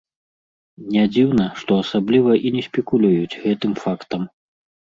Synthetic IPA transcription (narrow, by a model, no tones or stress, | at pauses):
nʲad͡zʲiwnɐʂt̪ɔɐsablʲivɐʔinʲɛsʲpʲɛkulʲujut͡sʲɣɛt̪ɨmfakt̪ɐm